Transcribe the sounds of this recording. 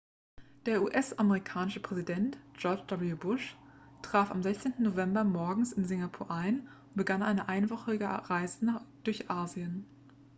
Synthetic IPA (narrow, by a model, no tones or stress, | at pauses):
d̥eːɐʔuːʔɛsameʁikʰaːnɪʃəpʁ̥ɛzidɛntʒ̥ɔɐd͡ʒd̥abiubʊʃ | tʁ̥aːfa̰mzɛçt͡seːntn̩novɛmbɐmɔɐɡŋ̩sɪnzɪŋɡapʰuːɐʔaɪnʊntb̥əɡanʔaɪnəʔaɪnvɔχɪɡəʁaɪzənaːd̥ʊɐçʔaːziən